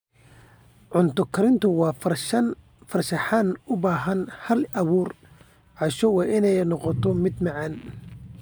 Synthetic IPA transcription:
ʕʊnt̪ʰʊkʰɐɾɪnt̪ʰʊwɑːf | fɐrsɐħanʊbaːɦɐnhɐlɐwuːr | ʕɑʃɔwɑːʔɪnɛjnɔqɔt̪ʰɔmɪd̪mɑʕɑn

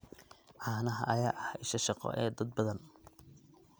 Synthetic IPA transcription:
ʕaːnɐɦɐ̰ʔɐjaːʔɐhɪʃɐʃɑqɔ̰ʔɛːd̪ɐd̪̚bɐðɐn

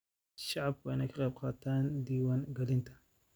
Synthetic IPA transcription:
ʃɑʕɑb̚wɛjnɐkʰɑqɑjb̚qɑːt̪ʰaːnd̪iːwaːŋɡɐlɪnt̪ʰɐ̥

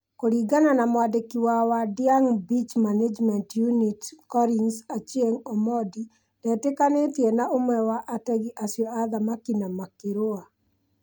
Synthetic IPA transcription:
koɾiɡananamadekiwawadɪaŋbit͡ʃmaned͡ʒmɛntjunitkɔɾinsat͡ʃjeŋɔmɔdi | d̥ɛtekanet̪jenaʔomɛwaʔatɛɡiʔasjɔad̪amakinamakiɾoa

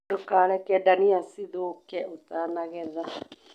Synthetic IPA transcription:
dokaːlɛkɛdaniasiðokɛot̪aːnaɣɛða

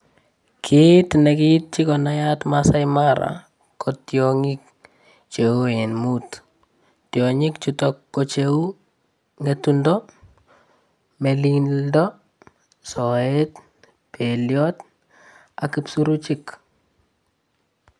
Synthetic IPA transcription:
kʰitnɛkit̚t͡ʃikɔnajatmasajmaɾa̰ | kʰotjɔŋik̚ | t͡ʃeoenmut | tjoɲikt͡ʃutɔkːot͡ʃeu | ŋetundɔ | melindɔ | sɔet | peljɔt | akipsuɾut͡ʃik

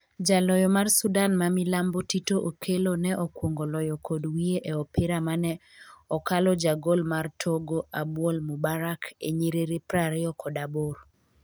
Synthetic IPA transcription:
d͡ʒalɔjɔmarsudanmamilambotitoʔokʰelonɛʔɔkwoŋɡolɔjɔkʰodwieʔeɔpɪɾamanɛ | ɔkalɔd͡ʒaɡolmartʰoɡoʔabwolmubaɾakeɲeɾeɾepɾaɾɛɔkʰɔdabor

